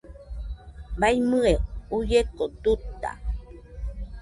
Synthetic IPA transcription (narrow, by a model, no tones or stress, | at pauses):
bajmɨeujekot̪ut̪ːa̰